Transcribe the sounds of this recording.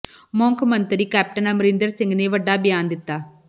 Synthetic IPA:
moːŋkmɐnt̪ɐɾikaːp̚ʈɐnɐmɾɪnd̪ɐɾsɪŋɡneʋɐɖːaːbjaːnd̪ɪt̪ːaː

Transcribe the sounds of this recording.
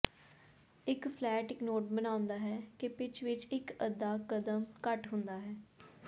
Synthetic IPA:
ɪkpʰlɛːʈɪknoːʈbənaːʊ̃nd̪aːɦɛːkepɪt͡ʃʋɪt͡ʃɪkəd̪ːaːkəd̪əmkəʈɦʊ̃nd̪aːɦɛː

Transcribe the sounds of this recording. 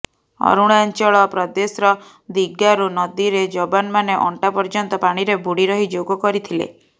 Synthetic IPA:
ɔ̰ɾuɽ̃ant͡ʃɔɭɔpɾɔd̪esɾɔ | d̪iɡaɾunɔd̪iɾed͡ʒɔbanmaneʔɔɳʈapɔɾd͡ʒɔnt̪ɔpaɽ̃iɾebʱuɽiɾɔɦid͡ʒoɡɔkɔɾit̪ʰilḛ

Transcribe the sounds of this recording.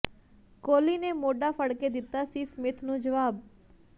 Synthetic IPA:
koːliːneːmoːɖaːpʰəɽkeːd̪ɪt̪ːaːsiːsmɪt̪ʰnũːd͡ʒəʋaːb̚

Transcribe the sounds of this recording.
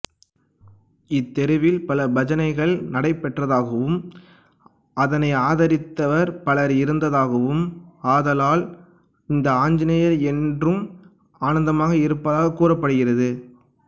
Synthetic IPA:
ɪt̪ːɛɾɯʋɪlpɐlɐbɐd͡ʒɐnɐɪɣɐɭnɐɽɐɪpːɛʈrɐðaːɣɐʋɯm | ɐðɐnɐɪaːðɐɾɪt̪ːɐʋɐɾpɐɭɐɾɪɾɯnd̪ɐðaːɣɐʋɯmaːðɐlaːl | ɪnd̪ɐaːɲd͡ʒɪnɐjɐɾɛndrɯm | aːnɐnd̪ɐmaːɣɐɪɾɯpːɐðaːɣɐkːuːrɐpːɐɽɯɣɪrɐðɯ

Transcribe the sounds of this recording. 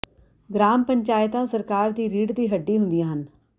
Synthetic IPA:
ɡɾaːmpəɲt͡ʃaːɪt̪ãːsəɾkaːɾd̪iːɾiːɖd̪iːɦəɖːiːɦʊnd̪ijãːɦən

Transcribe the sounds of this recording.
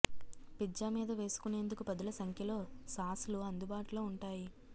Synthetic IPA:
pid͡ʒːaːmiːd̪ɐʋe̞ːsu̥kune̞ːnd̪ukupɐd̪ulɐsɐŋkʰjɐlo̞ːsaːsuluɐnd̪ubaːʈuloːuɳʈaːji

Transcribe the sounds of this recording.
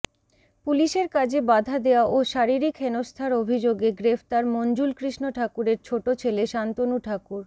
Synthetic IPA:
puliʃeɾkad͡ʑʱebad̪ʱad̪eoaʔoʃaɾiɾikɦenost̪ʰaɾobʱid͡ʑoɡeɡɾeft̪aɾmond͡ʑulkɾiʃnoʈʰakuɾeɾt͡ɕʰoʈot͡ɕʰeleʃant̪onuʈʰakuɾ

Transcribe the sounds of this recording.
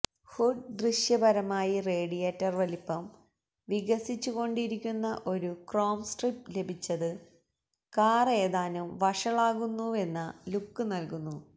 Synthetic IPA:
huɖd̪riʂjɐbɐɾɐmaːjireːɽijeːtːɐrʋɐlipːɐm | ʋiɣɐsit͡ɕːuɣo̞ɳɖiɾikʲːunːɐʔo̞ɾukroːmsʈriple̞bʱit͡ɕːɐðɨ | kaːre̞ːðaːnumʋɐʂɐɭaːɣunːue̞nːɐlukːɨnɐlkunːu

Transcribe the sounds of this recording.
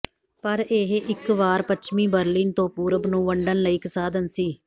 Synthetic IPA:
pəɾeːɦʔɪkʋaːɾpət͡ʃʰmĩːbəɾliːnt̪õːpuːɾəbnũːʋəɳɖənləiːkəsaːd̪ənsiː

